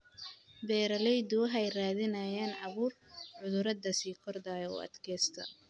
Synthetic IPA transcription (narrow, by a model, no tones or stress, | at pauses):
bɛːɾɐlɛjd̪ʊɦɛjraːðɪnɐjaːnʕɑβuːrʕʊðʊɾɐd̪ɐsiːkʰɔrd̪aːjɔ̰ʔɐ̰d̪kʰɛːst̪ʰɐ̰